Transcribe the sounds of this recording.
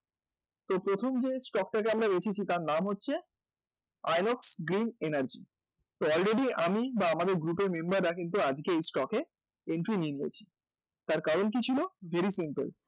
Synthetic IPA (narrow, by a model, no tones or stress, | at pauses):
t̪opɾot̪ʰomd͡ʑesʈɔk̚ʈakeamɾad̪et͡ɕʰit͡ɕʰit̪aɾnamɦotːɕʰe | a̰jnɔksɡɾinenaɾd͡ʑḭ | t̪oɔlɾeɖiamibaamad̪eɾɡɾupeɾmembaɾːakint̪̬uad͡ʑkeejsʈɔke | eɳʈɾinieniḛt͡ɕʰi̥ | t̪aɾkaɾonk̬it͡ɕʰilovʱeɾisimpḛl